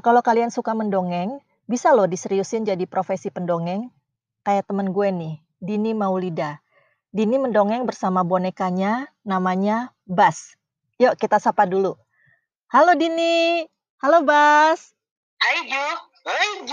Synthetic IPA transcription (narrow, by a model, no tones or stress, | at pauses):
kalawkaliansukaməndoŋɛŋ | bisalɔdisəɾiusɪnd͡ʒadipɾofesipəndoŋɛŋ | kajat̪əmənɡuɛnɪh | dinimaulida | diniməndoŋɛŋbərsamabonekaɲanamaɲa | bas | jakit̪asapadulu | halodini | halobas